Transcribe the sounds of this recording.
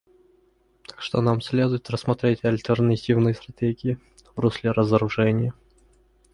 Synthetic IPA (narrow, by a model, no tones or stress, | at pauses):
t̪ḁkʂt̪onamsʲlʲed̪ʊjɪt̪rəsmɐt̪ɾʲetʲɐlʲt̪ərnɐtʲivnɨjəst̪ɾɐtʲeɡʲɪjɪ | vɾusʲlʲɪɾʔəzəɾʊʐɛnʲɪjə